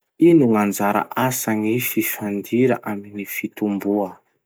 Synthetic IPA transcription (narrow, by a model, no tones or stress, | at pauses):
inuŋand͡zaɾa̰ʔasaŋififand̪iɾa̰ʔaminifit̪umbuə